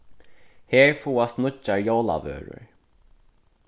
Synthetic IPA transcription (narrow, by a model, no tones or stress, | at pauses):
heːɹfuːast̪nʊt͡ʃːaɹjoːwla̰vø̰ːɹʊ̰ɹ